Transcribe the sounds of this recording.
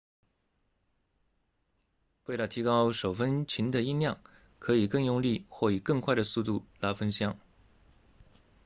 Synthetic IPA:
we˥˩ɪlə˨˩t̪ʰi˧˥kɑ˥ʊʂo˨˩ʊfə˥nt͡ɕʰi˧˥nd̪ə˧i˥˧ljɑ˥˩ŋ | kʰɤ˧˥i˨˩kɤ˥˧ŋjʊ˥˧ŋli˥˧xwɔ˥˩i˨˩kɤ˥˧ŋkʰwa˥˩ɪd̪ə˩su˥˧t̪u˥˩la˧˥fə˥nɕjɑ˥˩ŋ

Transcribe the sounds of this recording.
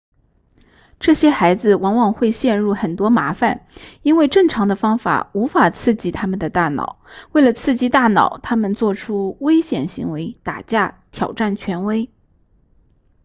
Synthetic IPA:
ʈ͡ʂɤ˥˩ɕjɛ˥xa˧˥ɪd͡zɹ̩˧wɑ˧˥ŋwɑ˨˩ŋxwe˥˧ɪɕjɛ˥˧nɻu˥˩xə˨˩nt̪wɔ˥ma˧˥fa˨˩ni˥nwe˥˧ɪʈ͡ʂɤ˥˩ŋʈ͡ʂʰɑ˧˥ŋd̪ə˧fɑ˥ŋfa̰˨˩u˧˥fa˨˩t͡sʰɹ̩˥˩t͡ɕi˧˥t̪ʰa˥mə˨nd̪ə˩t̪a˥˩nɑ̰˨˩˦ʊwe˥˩ɪlə˩t͡sʰɹ̩˥˩t͡ɕi˥t̪a˥˩nɑ̰˨˩˦ʊt̪ʰa˥mə˨nt͡swɔ˥˩ʈ͡ʂʰu˥we˥ɪɕjɛ˨˩nɕi˧˥ŋwe˧˥ɪt̪a̰˨˩t͡ɕja˥˩ | t̪ʰjɑ˨˩ʊʈ͡ʂa˥˩nt͡ɕʰɥɛ˧˥nwe˥ɪ

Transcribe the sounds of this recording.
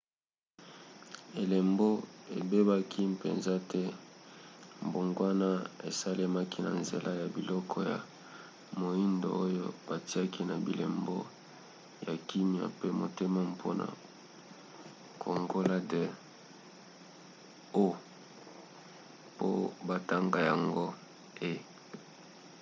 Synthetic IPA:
e˨le˨mbo˦e˨be˦ba˦kʰi˦pe˨nza˦tɛ˦ | mbo˨ŋɡwa˦na˦ḛ˨sa˦le˦ma˦ki˦na̰˨nzḛ˨lʔa˦ja˨bi˨lɔ˦kʰɔ˦ja̰˨ | mo˨i˦ndo̰˨o˦jo˦b̥a˨ti˦a˦ki˦na˨bi˨lḛ˨mbo˦ | ja˨ki˦mja̰˨pe˦mo˨te˦ma˦pʰo˦na̰˨ | kʰo˨ŋɡo˦la˦de˨ | o˦ | po̰˦ba˦ta˦ŋɡa˨ja˨ŋɡo˦ | e˦

